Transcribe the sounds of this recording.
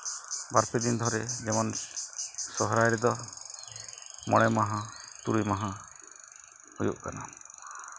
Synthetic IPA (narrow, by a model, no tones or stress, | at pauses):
baɾpʰid̪ind̪ʱɔɾɛd͡ʒɛmɔn | sɔɦɾajɾɛd̪ɔ | mɔ̰ɽ̃ɛmaɦãt̪uɾimaɦã | hujṵʔkana